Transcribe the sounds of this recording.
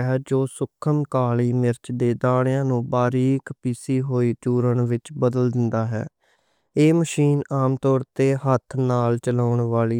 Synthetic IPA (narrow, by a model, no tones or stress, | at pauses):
ɦɛːd͡ʒoːsʊkʰəmkaːliːmɪɾt͡ʃd̪eːd̪aːɽ̃jãːnũːbaːɾiːkpiːsiːɦoːiːt͡ʃuːɾəɳʋɪt͡ʃbəd̪əld̪ɪnd̪aːɦɛ̰ː | eːməʃiːnaːmt̪ɔːɾt̪eːɦət̪ʰnaːlt͡ʃəlaːʊɳʋaːliː